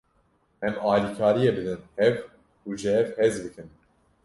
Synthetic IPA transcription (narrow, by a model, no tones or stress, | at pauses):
ɛmɑːliːkʰɑːɾijebɨd̪ɨnhɛv | uʒɨhɛvhɛzbɨkʰɨn